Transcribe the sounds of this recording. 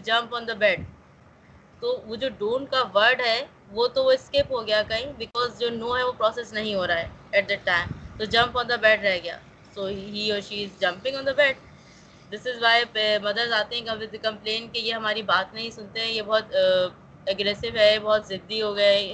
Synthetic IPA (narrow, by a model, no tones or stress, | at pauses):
d͡ʒɐ̃mpɔ̃ːnd̪əbɛːɖ | t̪oːʋod͡ʒoːɖuːnkaʋɐɾɖɦɛ | ʋot̪ooɪskeːpɦoɡɐjakɐɦĩbɪkɔːzd͡ʒoːnoːɦɛʋopɾɔːsesnɐɦĩɦoːɾaaɦɛɛʈ̚d̪ɛʈːãɪ̃mt̪od͡ʒɐ̃mpɔ̃ːnd̪əbɛːɖɾɛɦɡɐja̰ː | soːɦiɔːɾʃiɪzd͡ʒɐ̃mpɪ̃ŋɔ̃ːnd̪əbɛːɖ̚ | d̪ɪsɪzʋaɪmɐd̪əɾzaːt̪eɦɛ̃k̪kɐ̃mplẽːnkejeɦɐmaːɾibaːt̪nɐɦĩsʊ̃nt̪eɦɛ̃jebɔɦt̪ | ɐɡɾɛːsɪʋɦɛbɔːt̪zɪd̪ːiɦoːɡɐe